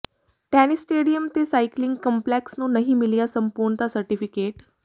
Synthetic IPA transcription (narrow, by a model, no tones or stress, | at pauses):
ʈañisʈeɽijəmt̪esajkliŋɡkəmpleksnuːnəɦiːmilijasəmpuɾɳət̪asəɾʈifikeʈ